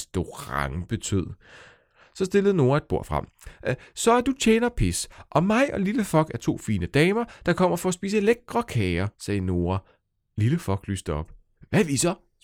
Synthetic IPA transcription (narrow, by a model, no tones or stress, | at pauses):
sd̥o̝ʁɑ̈ŋb̥e̝t͡sʰøð̞̰ˠ | sɒ̽sd̥e̝ləð̩ˠno̝ːɐe̝d̥̚b̥o̝ɐ̰fʁɑ̈m̰ | sɒ̽æɐd̥ut͡ɕʰeːnɐpʰesʔɒ̽mɑ̈ɪʔɒ̽liləfɒ̽lɡ̥æɐt͡sʰo̝̰ːfiːnəd̥ɛːmɐd̥ɑ̈kʰɒ̽m̰ɐfɒ̽ːsb̥ḭːs̬əe̝leɡ̥̚d̥ʁɒ̽kʰɛːɐsɛːno̝ːɐ | liləfɒ̽lɡ̥lyːsd̥əɒ̽b̥ | ʋæʋisɒ̽